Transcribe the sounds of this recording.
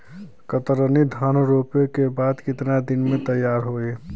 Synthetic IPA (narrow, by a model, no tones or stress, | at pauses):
kət̪ɾənid̪ʱaːnɾoːpekebaːd̪kɪt̪nad̪ɪnmẽt̪əjːaːɾɦoe